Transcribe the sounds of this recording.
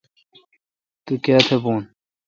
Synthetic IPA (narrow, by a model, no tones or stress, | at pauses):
t̪ukaːt̪ʰebuːn